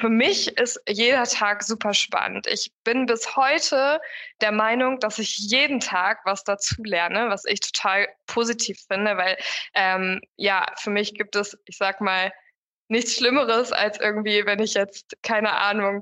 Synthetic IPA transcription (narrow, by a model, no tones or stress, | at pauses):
fyːɐmɪçɪstjeːdɐtʰaːkz̥uːpɐʃpa̰nə̰ntʔɪ̰çb̥ɪnbɪshɔʏtʰəd̥eːɐmaɪnʊŋd̥asɪçjeːdn̩tʰaːkv̥asd̥at͡suːlɛɐnəvasɪ̰çtʰo̥tʰaːlpʰoːzitʰiːfɪndəvaɪlʔɛːmjaːfyːɐmɪçɡ̥iːp̚tɛsʔɪçz̥aːkəmaːl | nɪçt͡sʃlɪməʁəsa̰lsʔɪ̰ɐɡŋ̩tv̥iːvɛnɪçjɛt͡stkʰaɪnəʔa̰ːnʊŋ